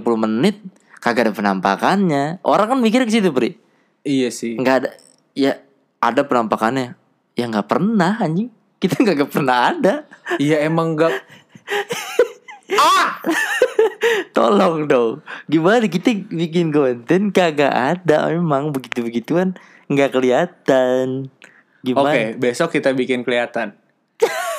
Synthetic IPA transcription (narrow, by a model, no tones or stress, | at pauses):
pulumənɪt̪̚ | kaɡadapəna̰mpa̰kanɲaʔo̰ɾaŋkanmikɪrkəs̬it̪upəɾi | ijasɪŋɡada | ja | adapənampakanɲa | jaŋɡaʔpərnaɦad͡ʒi | kit̪aŋɡaʔɡapərnaɦadaijaemaŋɡa | a | t̪o̰lɔŋdɔɡimanak̬it̪abik̬ɪnkomənt̪ɪnkaɡa̰ʔadamemaŋbəɡit̪ubəɡit̪ukan | ŋɡaʔkəliat̪an | ɡimoakebesɔkːit̪abikɪnkəliat̪an